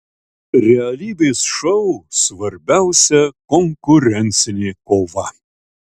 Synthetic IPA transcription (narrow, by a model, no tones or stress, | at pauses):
ɾʲɛɐlʲiːd̪esʃɐwsvɐɾʲbʲæʊsʲɛkɔŋkʊɾʲɛnʲt̪sʲɪnʲekovɐ